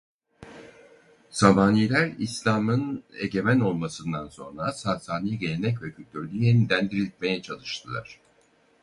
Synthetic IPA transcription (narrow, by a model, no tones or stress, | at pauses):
samaːniːlʲæɾislʲaːmɯne̞̰ɟe̞mæno̞lˠmasɯnd̪anso̞nɾasaːsaːnijɟe̞lʲenɛc̬vɛcʰylʲt̪ʰyɾlʲyjenid̪ʲænd̪iɾilʲit̪̚me̞jɛt͡ʃʰalˠɯʃt̪ʰɯlˠa̰ɾ̝̥